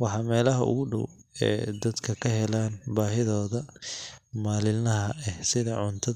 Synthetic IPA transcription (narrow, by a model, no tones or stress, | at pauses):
wɑħɑːmɛːlɐɦɐʔʊ̰ɣʊɖɔ̰w | ɛ̰ːd̪ɐd̪kʰɐkʰɐɦɛlaːnbaːɦɪðɔːðɐ | maːlɪlnɐɦɐʔɛhsɪðɐʕʊnt̪ʰɐ